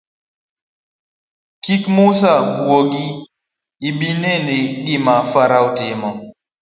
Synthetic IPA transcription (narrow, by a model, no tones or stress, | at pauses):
kikmusaɓwoɡi | iɓinɛneɗimafaɾautɪmɔ